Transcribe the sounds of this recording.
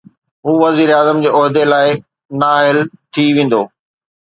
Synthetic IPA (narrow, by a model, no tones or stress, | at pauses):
ɦuːʋɐziːɾeaːzəmd͡ʑeːɔɦd̪elaːɪ | naːɦɪlt̪ʰiʋẽːn̆d̪oː